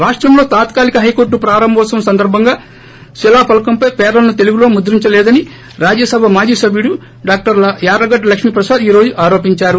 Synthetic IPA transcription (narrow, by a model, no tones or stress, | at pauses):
ɾaːʂʈɾɐmlo̞ːt̪aːt̪kaːlikɐɦɐjkoːɾʈ̬ːupɾaːɾɐmbʱɐsɐmɐsɐnd̪ɐɾbʱɐŋɡaː | ʃilaːpɐlɐkɐmpɐjpɛːɾlɐnut̪e̞luɡulo̞ːmud̪ɾiɲt͡ʃɐlɛːd̪ɐni | ɾaːd͡ʒjɐsɐbʱɐmaːd͡ʒiːsɐbʱjiɽu | ɖaːk̚ʈɐɾjaːɾɐɡɐʈːlɐkʂmiːpɾɐsaːd̪iːɾo̞ːd͡ʒuʔaːɾoːpiɲt͡ʃaːɾu